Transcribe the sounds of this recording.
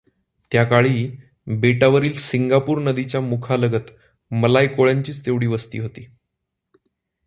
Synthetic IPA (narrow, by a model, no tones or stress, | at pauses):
t̪jakaɭiː | beʈaʋəɾiːlsiŋɡapuːɾnəd̪it͡ɕjamukʰaləɡət̪ | məlajkoɭjaɲt͡ɕiːt͡st̪eʋɽiːʋəst̪ḭːɦot̪iː